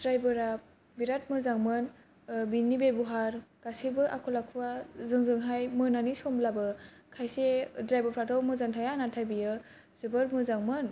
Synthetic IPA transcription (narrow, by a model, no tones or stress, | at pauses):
dɾajbɯɾa | biɾat̚mɯzaŋmɯn | binːibebuɦaɾɡ̥asibɯʔakʰɔlakʰuwazɯŋzɯŋɦajmɯnanisɔmblabɯkʰajsedɾajbaɾpʰatʰawmɯzantʰajanatʰajbijɯ | z̥ɯbɯɾmɯzaŋmɯn